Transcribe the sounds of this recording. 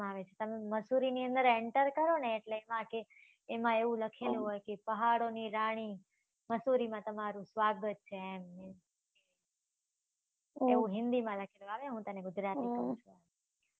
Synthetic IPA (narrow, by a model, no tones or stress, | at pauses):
aʋet͡ʃʰet̪əmeməsuɾiniə̃nd̪əɾeɳʈəɾkəɾoneːʈleːmãkeː | mãeʋũləkʰelũɦojkepəɦaɽoniɾaɽ̃i | məsuɾimãt̪əmaɾũsʋaɡət̪̚t͡ʃʰeɛmne | eʋũɦɪnd̪imãləkʰelũaʋjãɦũt̪əneɡʊd͡ʒɾat̪ikəũt͡ʃʰua